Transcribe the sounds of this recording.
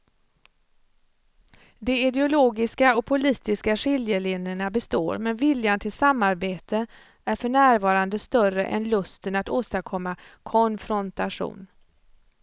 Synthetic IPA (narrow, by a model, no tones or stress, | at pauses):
d̪ɛɪd̪ɛʊloːɡɪskaɔk̚pʰʊliːt̪ɪskaʂɪljəɭɪnəɳabɛst̪o̰ːɾmɛnvɪljant̪ʰɪlsamːaɾbeːt̪ʰə | æɾfœɳæːɾvɑːɾand̪əst̪œrə̰ʔɛ̰nlɵst̪ənat̪oːst̪aɾkʰɔmːakʰɔnfɾɔnt̪aʂṵːn